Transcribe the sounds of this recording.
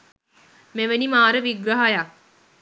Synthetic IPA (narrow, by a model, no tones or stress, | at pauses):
meʋenimaːɾəʋiɡɾɐɦaja